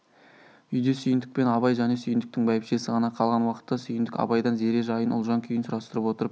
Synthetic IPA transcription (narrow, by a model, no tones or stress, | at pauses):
ʏjd̪esʏjɪnd̪ɪk̚pe̞nɑβɑjʒæne̞sʏjɪnd̪ɪkt̪ɪŋbɑjɪpʃe̞sɪʁɑnɑqʰɑlˠʁɑnwɑqə̥t̪ːɑsʏjɪnd̪ɪkɑ̰bɑjd̪ɑnze̞ɾeʒɑjənʊ̰lˠʒɑŋkʲʰʏjɪnsʊɾɑst̪əɾəpwo̞t̪əɾəp